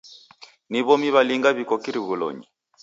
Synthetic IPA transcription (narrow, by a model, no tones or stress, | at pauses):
niβɔmiβaliŋɡaβikɔkiɾiɣulɔ̰ɲi